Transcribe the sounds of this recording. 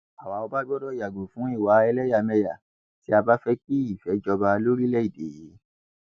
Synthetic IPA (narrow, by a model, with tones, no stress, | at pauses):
a˨wa˨o˧ba˦ɡ͡bɔ˦dɔ˦˨ja˨ɡo˨fũ˨˦i˦˨wa˨˦ɛ˧lɛ˦ja˦˨mɛ˧ja˨ | ti˨˦a˧ba˦fɛ˦k͡pi˦i˦˨fɛ˨˦d͡ʒɔ˧ba˧lo˦ɾi˦lɛ˦i˦˨de˨je˨˦